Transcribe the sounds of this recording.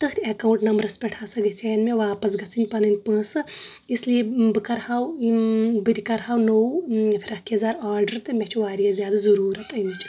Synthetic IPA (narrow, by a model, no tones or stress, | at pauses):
t̪ɨkʰt̪ʰʲekɐuɳʈnɐmbɾɐspʲɛʈʰaːsɐɡɐsʰʲeːnmʲeʋaːpɐs̬ɡɐt͡sʰɨnʲpɐnɨnʲpə̃ːsɨ | islijebɨkɐɾhawibɨd̪ʲikɐɾɦaːwnowfʰʲɾɐkiɐzaːɾaːɾɖəɾt̪ɨmʲet͡ʃʰʋaːɾijazjaːd̪ɐzɐɾuːɾɐt̪ɐjmit͡ʃʰ